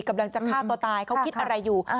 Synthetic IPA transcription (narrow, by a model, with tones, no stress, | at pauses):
ka˧˨mla˧ŋt͡ɕa˨˩k̪ʰaː˥˩t̪u˧t̪aː˧jkʰa˦˥wkʰi˦t̪̚ʔa˧ɾa˧jːuː˨˩